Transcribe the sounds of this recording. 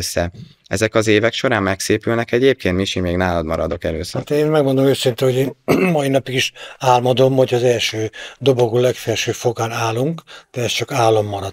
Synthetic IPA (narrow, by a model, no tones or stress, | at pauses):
øsːɛ | ɛ̰zɛkɒzeːvɛkʃo̞ɾaːnmɛkseːpylnɛkɛɟeːp̚keːnt̪miʃimeːɡnaːlɒd̪mɒɾɒd̪o̞kɛløːst̪eːnmɛɡmo̞nd̪omøːsint̪ɛhoɟeːnmɒinɒpiɡiʃaːlmɒd̪o̞mho̞cʰɒːzɛlʃøːd̪o̞bo̞ɡuːlɛkfɛrʃøːfo̞ɡaːnaːluŋkd̪̥ɛɛst͡ʃɒkaːlːɒmːɒɾɒd̪̥